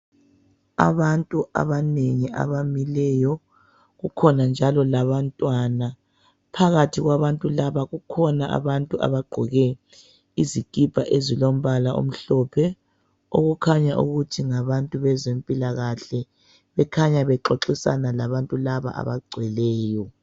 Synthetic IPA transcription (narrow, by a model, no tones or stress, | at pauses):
a̰βantʼua̰βaneŋia̰βamilɛjɔ | ɣukʰɔnand͡ʒʱalɔlaβantʼwana | pʰaɣatʰiɣwaβantʼulaβaɣukʰɔnaʔa̰βantʼuʔa̰βaɡ͡ǃʱɔɣɛ | izikʼib̥ʱaʔezilom̩βalaʔo̰m̩ɬɔpʰɛ | o̰ɣukʰaɲaʔṵɣutʰiŋaβantʼuβɛzempʼilaɣaɬɛ | βɛkʰaɲaβɛǁoǁisa̰nalaβantʼulaβa̰ʔa̰βaɡ͡ǀʱwɛlɛːjɔ